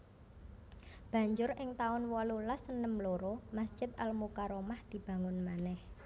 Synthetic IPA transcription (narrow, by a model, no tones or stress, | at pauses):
b̥ä̤ɲd͡ʒʊɾɪŋt̪aʊnwɔlulasənəmloɾomasd͡ʒ̥ɪ̤t̪̚ʔalmukaɾomahd̪̥i̤b̥a̤ŋʊnmanɛh